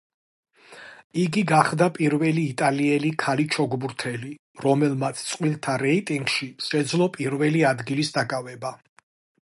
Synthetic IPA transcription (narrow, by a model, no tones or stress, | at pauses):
iɡiɡaχd̪apʼiɾvɛliːt̪ʼaliɛlikʰalit͡ʃʰɔɡbuɾt̪ʰɛli | ɾɔmɛlˠmat̪sʰt̪sʼqʼwilˠt̪ʰaɾɛit̪ʼiŋɡʃiʃɛd̪zlˠɔpʼiɾvɛliad̪ɡilisd̪akʼavɛba